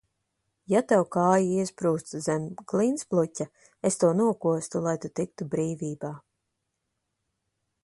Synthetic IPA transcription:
jat̪awkaːjiiɛspɾuːst̪zɛmɡlˠinsplˠucʲa | est̪uɔnuɔkuɔst̪ulˠajt̪ut̪ik̚t̪ubɾiːviːbaː

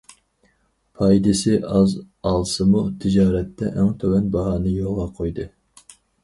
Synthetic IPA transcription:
pʰɑjd̪ɨsɪɑz | ɑlˠsɨmut̪ʰɪd͡ʒɑːɾɛt̪ːɛ̰ʔæŋt̪ʰøwɛnbɑɦɑːnɨjolˠʁɑqʰojd̪ɨ

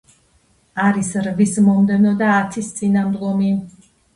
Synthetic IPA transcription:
aɾisɾvismɔmd̪ɛnɔd̪aːt̪ʰist̪sʼinamd̪ɡɔmi

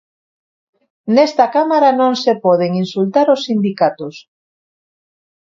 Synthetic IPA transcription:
nest̪akamaɾanõŋsepɔð̞eŋinsult̪aɾosːind̪ikat̪ʊs

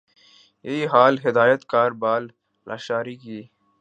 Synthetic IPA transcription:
jeiɦaːlɦɪd̪aːjət̪kaːɾbaːl | lʔa̰ːʃaːɾiːkiː

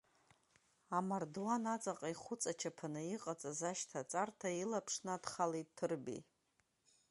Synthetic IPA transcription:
amardwanat͡sʼaqʼaiχʷʊt͡sʼat͡ʃʰapʰanɨiqʼat͡sʼazaʃtʰat͡sʼartʰailapʰʂnaadχalettʰːɨrbḭ

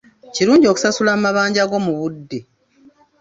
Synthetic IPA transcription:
ciɾuːɲɟioku̥sasulammaβaːɲɟaɡo̞muβudːe

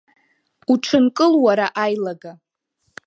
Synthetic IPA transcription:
uʈ͡ʂʰɨnkʼɨlwaɾaʔajlaɡa

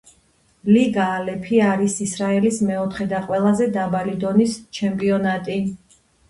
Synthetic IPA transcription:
liɡaːlɛpʰiaɾisisɾaɛlismɛɔt̪ʰχɛd̪aqʼwɛlˠazɛd̪abalid̪ɔnist͡ʃʰɛmpʼiɔnat̪ʼi

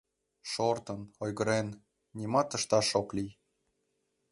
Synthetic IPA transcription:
ʃort̪ənojɣəɾenːʲ | imɑt̪əʃt̪ɑʃoklij

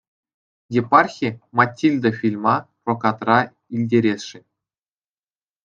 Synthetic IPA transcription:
jepɑrxʲimɑtʲːilʲd̪ɤ̆fʲilʲmɑ | rokɑt̪rɑ | ilʲdʲeɾʲesʲʂĭ

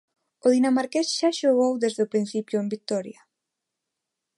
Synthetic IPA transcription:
oðinamaɾkɛsʃaʃoɣowðezðopɾin̟θipjoembik̚t̪ɔɾja

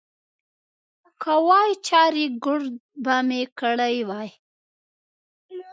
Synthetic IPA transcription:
kʰawɑjt͡ʃɑɾiɡʊɽbamekəɽajwɑj

